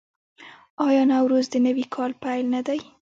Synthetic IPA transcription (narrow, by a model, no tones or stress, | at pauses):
ɑjɑnawɾozd̪ənəwikʰɑlpajlnad̪aj